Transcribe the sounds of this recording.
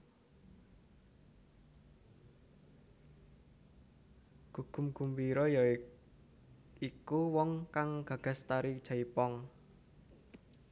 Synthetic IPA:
ɡ̥ṳɡ̥ṳmɡ̥ṳmwiɾɔjɔ | ikuwɔŋkaŋɡ̥ä̤ɡ̥a̤st̪aɾi̥ʒ̥a̤ipɔŋ

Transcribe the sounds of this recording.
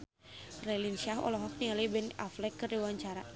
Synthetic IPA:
rɛlinʃaɦɔ̰lɔɦɔk̚t̪iŋalibɛna̰flɛkːərdiwaɲt͡ʃaɾa

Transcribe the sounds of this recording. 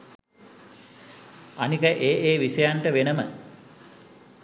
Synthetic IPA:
anikəʔeːʔeːʋiʃəjaɳʈəʋenəmə̰

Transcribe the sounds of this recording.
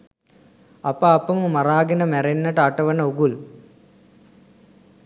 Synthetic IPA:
ɐpːɐɐpːɐmmɐraːɡɐnɐmerenːɐʈɐʈːɐʋɐnɐuɡul

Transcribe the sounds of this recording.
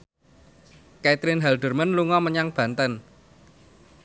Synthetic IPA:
kɛt̪ɾɪnɦɛlɖ̪̥ə̤rmənluŋɔməɲaŋb̥ä̤nt̪ən

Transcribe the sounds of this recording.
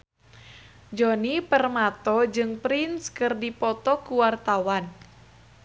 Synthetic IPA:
d͡ʒɔnipərmat̪ɔd͡ʒɨŋpɾinskɨrdipɔt̪ɔkuwart̪awan

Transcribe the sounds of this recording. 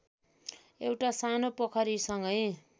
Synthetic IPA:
ewʈasanopʌkʰʌɾisʌŋɡʌj

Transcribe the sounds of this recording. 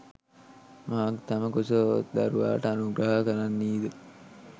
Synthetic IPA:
maakt̪ɐməkosəʋ̰t̪d̪a̰ɾuʋa̰ːʈəanuɡɾəɦakəɾanːiːd̪ə

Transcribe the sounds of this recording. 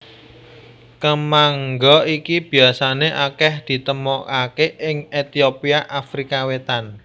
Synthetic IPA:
kəmaŋɡɔikib̥i̤asaneʔakɛhd̪̥i̤t̪əmɔkakeʔɪŋet̪iopiaʔafɾikawet̪an

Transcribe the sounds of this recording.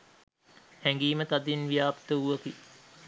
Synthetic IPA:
hɛŋɡiːmət̪ad̪inʋijaːpt̪əuʋəki

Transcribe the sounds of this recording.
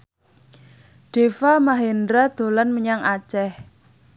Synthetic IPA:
ɖ̥e̤famaɦendɾad̪̥o̤lanməɲaŋʔat͡ʃɛh

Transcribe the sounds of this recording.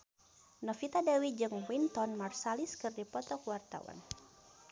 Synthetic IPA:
nɔfit̪adawid͡ʒɨŋwint̪ɔnmarsaliskɨrdipɔt̪ɔkuwart̪a̰wa̰n

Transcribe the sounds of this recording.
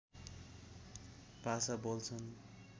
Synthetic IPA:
pasabolt͡sʰʌn

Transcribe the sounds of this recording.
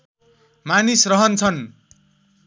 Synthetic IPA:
manisrʌɦʌnt͡sʰʌn

